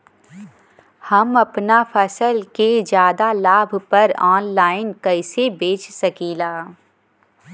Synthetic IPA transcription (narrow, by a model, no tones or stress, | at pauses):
hɐmɐpnafʰɐsəlked͡ʒjaːd̪alaːbʱpɐɾɔːnlaːɪnkɐɪsebeːt͡ʃʰsɐkiːlaː